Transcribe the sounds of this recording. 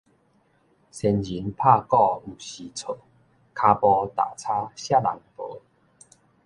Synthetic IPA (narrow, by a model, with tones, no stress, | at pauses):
sɛ˧nd͡ʑi˨˦npʰa˥˧kɔ˥˧u˨˩ɕi˨t͡sʰo˨˩ | kʰa˧pɔ˧t̪a̰˨˩t͡sʰa˦˥ɕja˥˩la̰˨˩˦ŋpə˨˦